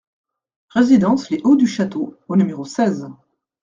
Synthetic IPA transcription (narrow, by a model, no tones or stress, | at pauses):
ʁezid̪ɑ̃sleʔod̪yʃat̪oonymeʁosɛz